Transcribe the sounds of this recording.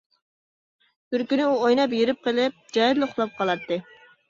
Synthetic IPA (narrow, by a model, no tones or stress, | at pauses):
t̪yɾkʲynɪuojnɑp̬jiɾɪp̚qʰəlˠɪp̚d͡ʒɑjɾlˠoχlˠɑp̚qʰɑlˠɑt̪ːɨ